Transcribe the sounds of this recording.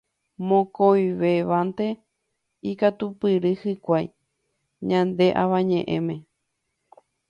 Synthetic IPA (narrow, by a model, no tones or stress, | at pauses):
mõkojʋeʋant̪e̞ | ikat̪upɨɾɨhɨkʷaj | ɲãnd̪e̞ʔa̰ʋaɲẽʔḛ̃mẽ̞